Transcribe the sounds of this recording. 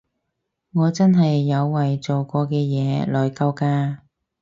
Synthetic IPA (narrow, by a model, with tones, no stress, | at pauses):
ŋɔː˨˧t͡sɐ˥nɦɐ˨jːɐ˨˧wːɐ˨jt͡so˨wkʷɔː˧kɛː˧jɛː˨˧˥lɔː˨jkɐ˧wkaː˧